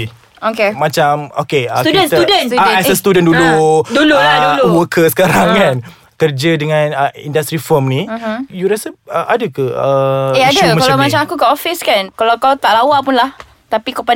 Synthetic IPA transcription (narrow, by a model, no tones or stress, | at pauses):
okemat͡ʃamo̰keət̪ust̪əudənaasəst̪udənduluduluaduluwəkʰəsə̥kaɾaŋkan | kərd͡ʒədəŋãnəḭndast̪ɾifəmnĩjuɾasəəʔadəkəəeadəkalawmat͡ʃamakukəʔofɪskankalawkawt̪aʔlawaʔpunlah | t̪apikapa